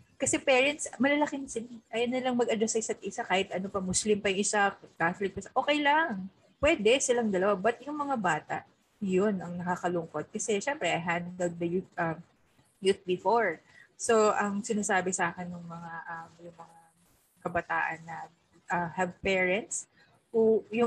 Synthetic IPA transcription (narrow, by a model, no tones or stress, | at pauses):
kɐsɛpɛːɹɛnt̪smɐlɐlɐkɪnsɪnaʔɐjɐnːɪlɐŋmɐɡʔɐd̪ɐsɐɪsɐt̪̚ʔɪsakaːhɪt̪ʔɐnopɐmʊslimpɐjʊŋʔɪsak̪aflɪk̪̚ɐsʔo̞ːkɛjlɐŋ | pwɛd̪ɛsɪlɐŋd̪ɐlɐwabɐt̪̚jʊŋmɐŋabaːt̪ɐ̰ʔ | jonʔɐŋnɐkaːkɐlʊŋko̞d̪̚kɐsɛʃɛmpɾɛʔɐjɦand̪d̪ɛl̚d̪ɐjuʔɐm | juθ̚bɪfoɹ | so̞ʔɐŋsɪnaːsaːbɪsaːkɛnːʊŋmɐŋaʔɐmjʊŋmɐŋa | kɐbɐt̪a̰ːʔɐnːɐ | ʔɐhɐvpɛɹɛnt̪s | hʊjʊ